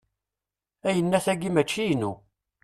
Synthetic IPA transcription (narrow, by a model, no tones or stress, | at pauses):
æjənːæθæɡimæt͡ʃːijnu